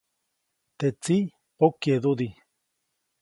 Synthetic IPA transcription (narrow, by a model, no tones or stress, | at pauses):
t̪et͡si | okeðuði